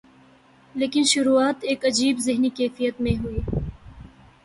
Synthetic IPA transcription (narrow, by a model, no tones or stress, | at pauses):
leːkɪnʃʊɾuaːt̪eːkɐd͡ʒiːbzɪɦnikɛːfijət̪mẽɦʊiː